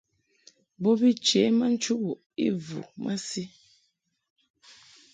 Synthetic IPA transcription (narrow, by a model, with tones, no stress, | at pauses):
bɔ˦bi˦t͡ʃe˨˦ma˦n̩˦t͡ʃu˦bu˨ | ḭ˦vṵ˨mʔa̰˦si˦